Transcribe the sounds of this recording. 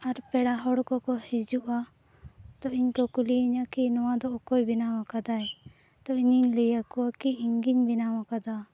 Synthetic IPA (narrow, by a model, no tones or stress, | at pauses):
aɾpɛɽaɦɔɽkɔkɔhid͡ʒuʔa | t̪ɔiɲkɔkuliiɲakinɔwãd̪ɔʔɔkɔjbinawakad̪aj | t̪ɔiɲiɲlɛjakɔwakiiŋɡiɲbinawakad̪a